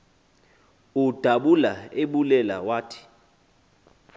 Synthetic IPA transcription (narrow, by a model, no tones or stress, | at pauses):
ud̥ʱaɓulaeɓulɛla̰waːtʰi̥